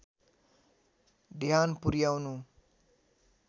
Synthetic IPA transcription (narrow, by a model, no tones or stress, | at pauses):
d̪ʱjanpuɾjawnu